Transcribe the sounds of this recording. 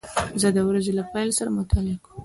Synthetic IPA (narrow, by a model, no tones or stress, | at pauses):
zəd̪əwɾazelapɑjlsaɾamʊt̪ʰɑlɪkum